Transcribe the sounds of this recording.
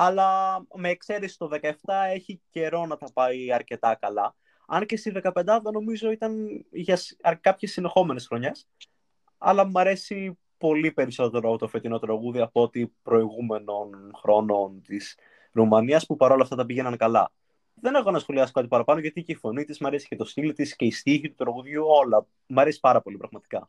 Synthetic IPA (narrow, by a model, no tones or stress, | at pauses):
ɐlɐme̞ːkse̞ɾesi̥t̪o̞ðe̞kɐeft̪ɐe̞çice̞ɾo̞nɐt̪ɐpɐiɐɾce̞t̪ɐkɐlɐ | ɐnce̞st̪izðe̞kɐpe̞nd̪ɐvɐno̞mizo̞it̪ɐnʝɐsɐkɐpçe̞sine̞xo̞me̞nesxɾo̞ɲe̞s | ɐ̰lɐmɐɾe̞si | po̞lipe̞ɾiso̞t̪e̞ɾoɐpot̪ofe̞t̪ino̞t̪ɾɐɣuðiɐpo̞t̪ipɾo̞iɣume̞no̞nxɾo̞no̞nt̪is | ɾumɐniɐspupɐɾo̞lɐft̪ɐt̪ɐpiʝenɐnkɐlɐ̰ | ðe̞ne̞xo̞nɐsxo̞liɐsokɐt̪ipɐɾɐpɐnoʝɐt̪iceifo̞nit̪izmɐɾe̞si̥ce̞t̪o̞st̪ilt̪isce̞ist̪içit̪ut̪ɾɐɣuðʝuo̞lɐ | mɐɾe̞si̥pɐɾɐpo̞lipɾɐɣmɐt̪i̥kɐ